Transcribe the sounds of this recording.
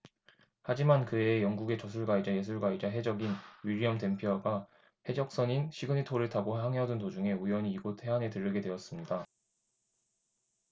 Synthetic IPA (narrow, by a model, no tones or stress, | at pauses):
had͡ʑimankɯejʌŋɡuɡe̞t͡ɕʌsʰuɭɡwaid͡ʑaje̞sʰuɭɡwaid͡ʑaɦe̞d͡ʑʌɡinɥiɾiʌmte̞mpʰjoɦaɡa | he̞d͡ʑʌk̚s͈ʌɲinɕʰiɡɯɲitʰoɾɯɭtaboɦaŋɦeʌdɯntod͡ʑuŋe̞ujʌɲiːɡotʰe̞ɦane̞tɯɾːɯɡe̞dwe̞ʌs͈ɯmɲida